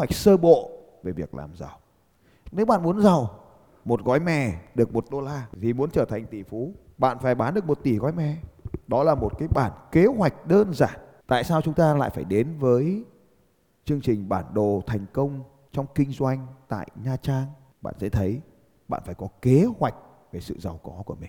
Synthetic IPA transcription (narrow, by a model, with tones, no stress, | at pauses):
wa˨˩jk̟̚səː˧ɓo̰˧˨ | ve˧˩vi˨˩ək̚lʔa̰ː˨˩mza˨˩w | ne˨˦wɓa̰ː˧˨nmu˨˦ənza˨˩w | mo˨˩t̚ɣɔ˨˦jmɛ̰˧˩ɗɨ˨˩ək̚mo˨˩t̚ɗo˧laː˧t̪ʰi˨˩mu˨˦ənt͡ɕəː˧˩t̪ʰa˨˩jŋ̟t̪i˧˩fu˨˦ | ɓa̰ː˧˨nfaː˧˩jɓaː˨˦nɗɨ˨˩ək̚mo˨˩t̚t̪i˧˩ɣɔ˨˦jmɛ̰˧˩ɗɔ˨˦laː˨˩mo˨˩t̚kaː˨˦jɓaː˧˩nke˨˦hwa˨˩jk̟̚ɗəː˧nzaː˧˩nt̪a̰ː˧˨jsaː˧wt͡ɕʊ˨˦ŋ͡mt̪aː˧la̰ː˧˨jfaː˧˩jɗe˨˦nvəː˨˦j | t͡ɕɨ˧əŋt͡ɕï˨˩ŋ̟ɓaː˧˩nɗo˨˩t̪ʰɛ˨˩jŋ̟kə˧wŋ͡m | t͡ɕɔ˧wŋ͡mkï˧ŋ̟zwa˧jŋ̟t̪a̰ː˧˨jɲaː˧t͡ɕaː˧n | ɓa̰ː˧˨nzsɛ̰˧˥t̪ʰə˨˦j | ɓa̰ː˧˨nfaː˧˩jkɔ˨˦ke˨˦hwa˨˩jk̟̚ | ve˧˩sɨ̰˧˨za˨˩wkɔ˨˦ku˧˩əmï˨˩ŋ